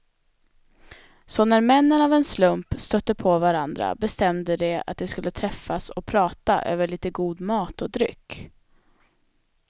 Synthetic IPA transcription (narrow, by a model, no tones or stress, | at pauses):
sɔnæɾmɛnːənavɛnslɵmpst̪œt̪ːəpʰɔvaɾand̪ɾa̰bɛst̪ɛmd̪əd̪ɛa̰t̪̚d̪ɛskɵlːət̪ʰɾɛfːasɔpʰɾɑːt̪a̰ʔø̰ːvəɭiːt̪əɡuːd̪mɑːt̪ɔd̪ɾʏ̰kː